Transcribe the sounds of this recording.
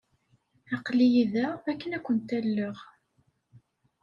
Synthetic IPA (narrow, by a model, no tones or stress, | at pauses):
æqlijiðæækːənækʷːənt̪ælːəʁ